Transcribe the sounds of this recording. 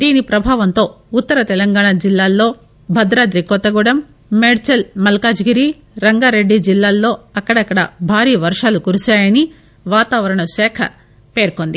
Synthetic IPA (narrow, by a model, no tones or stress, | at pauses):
d̪iːnipɾɐbʱaːʋɐnt̪o̞ː | ut̪ːɐɾɐt̪ɛlɐŋɡaːɳad͡ʒilːaːlːo̞ː | bʱɐd̪ɾaːd̪ɾikɔt̪ːɐɡuɽɐmː | eːɽt͡ʃɐlmɐlkaːd͡ʒɡiɾi | ɾɐŋɡaːɾe̞ɖːid͡ʒilːaːlːo̞ːɐkːɐɽɐkːɐɽɐ̰bʱaːɾiːʋɐɾʂaːlukuɾusaːjɐni | ʋaːt̪aːʋɐɾɐɳɐsɛːkʰɐ̰ | pe̞ːɾkond̪i